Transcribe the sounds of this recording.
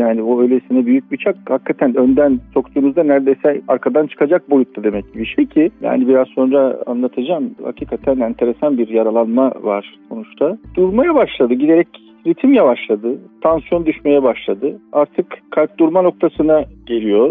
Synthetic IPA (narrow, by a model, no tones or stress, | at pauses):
jaːnioøjlʲesinɛbyjyc̚bit͡ʃʰak̚hakʰːat̪ʰænønd̪ænso̞kt̪uːnuzd̪anæɾd̪ejsɛaɾkʰad̪ant͡ʃʰɯ̥kʰad͡ʒak̚bo̞jut̪ːad̪e̞mɛcɟibiʃejcʰija̰ːnibiɾazso̞nɾaa̰nlˠat̪ʰad͡ʒaːmha̰cʰiːkʰat̪ʰænɛnt̪ʰe̞ɾe̞sanbiɾjaɾalˠanmavaɾ̥so̞nut͡ʃt̪ʰad̪̥uɾmajabaʃlˠad̪ɯɟid̪e̞ɾɛc | ɾit̪ʰimjavaʃlˠad̪ɯt̪ʰansjo̞nd̪yʃme̞jɛbaʃlˠad̪ɯaɾt̪ʰɯkkʰːalʲp̚d̪uɾmano̞k̚t̪ʰasɯnaɟe̞lʲijo̞ɾ